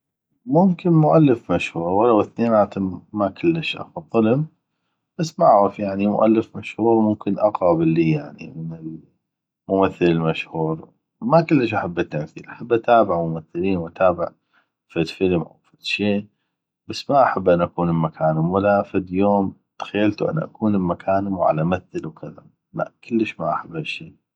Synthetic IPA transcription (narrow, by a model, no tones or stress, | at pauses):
mʊmkɪnmʊʔalːəfmaʃhuːɾwalːawɪθneːnʔaːt̪ɪmːakəlːəʃʔa̰fɑt̪ˤːɨləm | b̥asːmʔaʕɾɪfjaʕnimʊ̰ʔa̰lːəfmaʃhuːɾmʊmkɪnʔaqɑːbɪlːiːjaʕnḭmənɪl | mʊmaθːəlɪlmaʃhuːɾ | makɪlːəʃ̬ʔaħabːat̪ːamθiːlʔaħabːʔat̪aːbɪʕmʊmaθːɪliːnwʔat̪aːbɪ̰ʕ | fad̪fəlmʔa̰wfat̪ʃeː | b̥asːmaʔaħabːʔanːʔakuːnɪlmakʰaːnɪmwalːafad̪joːmt̪xajːalt̪uʔa̰nːʔa̰kuːnɪlmakʰaːnmwʕa̰lamaθːɪlwkʰaða̰ | la̰ʔkɪlːəʃmaʔaħabːhaʃːiː